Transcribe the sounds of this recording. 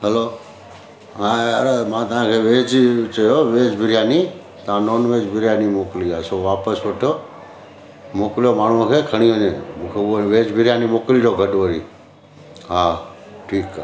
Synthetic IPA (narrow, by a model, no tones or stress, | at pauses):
ɦeloː | ãɾmãːt̪əãkʰeʋeːd͡ʒt͡ʃəjoʋeːd͡ʒbʱɪɾjani | t̪ãːnoːnʋeːd͡ʒbʱɪɾjanimokliːasoʋaːpəsʋəʈʰo | moːkljomaːɳ̤uãkʰekʰəɽ̃ioːɲẽũkʰeoʋeːd͡ʒbʱɪɾjanimoːkliɾoːɡʱəɗʋəɾḭː | ɦaː | ʈʰiːkː